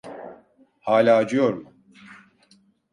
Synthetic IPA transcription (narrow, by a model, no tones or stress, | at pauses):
haːlʲaːd͡ʒɯjoɾmu